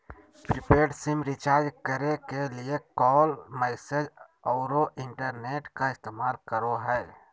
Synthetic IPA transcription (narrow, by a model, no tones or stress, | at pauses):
pɾɪpeːɖsɪmɾɪt͡ʃaːɾd͡ʒkəɾekeliekɔːlmɛːsed͡ʒ | ɔːɾoʔɪ̃ɳʈəɾneːʈkaɪst̪eːmaːlkəɾoɦɛː